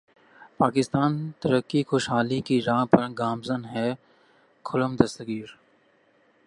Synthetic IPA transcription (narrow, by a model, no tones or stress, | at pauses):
paːkɪst̪aːnt̪ɐɾəkːixoːʃɦaːlikiɾãːpɐɾɡaːmzənɦɛ | kʰʊləmd̪ɐst̪ɡiːɾ